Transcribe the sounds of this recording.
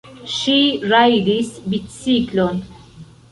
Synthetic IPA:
ʃiɾajdisbit̪siklon

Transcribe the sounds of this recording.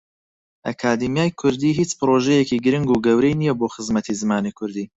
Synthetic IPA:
ʔɐkʰaːd̪imijaːjkʰʊɾd̪iːɦiːt͡ʃpɨɾoːʒɛjekiɡɨɾɨŋɡuːɡɐwɾejnijɛboːxɨzmɐt̪ʰizɨmaːnikʰʊɾd̪iː

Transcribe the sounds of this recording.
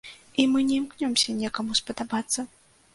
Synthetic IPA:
imɨnʲɛimknʲɔmsʲɐnʲɛkɐmuspɐd̪abat̪sːɐ

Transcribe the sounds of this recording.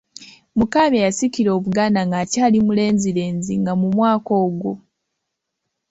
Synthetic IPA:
mukaːβejasiciɾo̞ːβuɡaːnaŋɡacaːlimule̞ːnziɾe̞ːnziŋɡamumwaːko̞ːɡo

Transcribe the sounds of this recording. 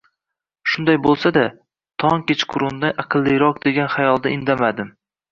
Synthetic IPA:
ʃʊnd̪ajbolˠsad̪a | t̪ʰɒŋkʲet͡ʃqʰʊɾʊnd̪aɑqʰɨlˠːijɾɒqd̪e̞ɡʲanχajɒlˠd̪aɪnd̪amad̪ɪm

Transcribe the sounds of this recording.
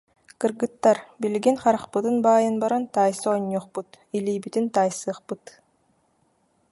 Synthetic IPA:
kɯɾɡɯt̪ːaɾbilɡinχɑɾaχpɯt̪ɯnbaːjɯnbaɾɔnt̪aːjsɯɔɲːuːχput̪ | iliːbit̪int̪aːjsɯːχpɯt̪

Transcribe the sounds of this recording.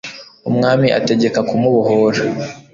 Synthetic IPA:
umŋaːmiʔa̰te̞ɟe̞kakumuβuɦoɾa

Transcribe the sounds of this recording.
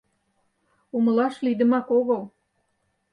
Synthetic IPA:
uməlɑʃlid̪ə̆mɑkoɣəl

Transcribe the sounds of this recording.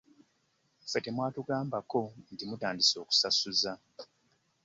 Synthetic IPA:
fetemwaːtuɡaːmbako̞ntimutaːndiso̞ːku̥sasuza

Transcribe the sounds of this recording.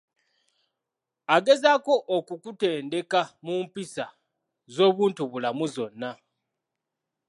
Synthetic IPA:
aɡe̞zako̞ʔːkukute̞ːnde̞kamumpisa | zo̞ːβuːntuβulamuzo̞nːa

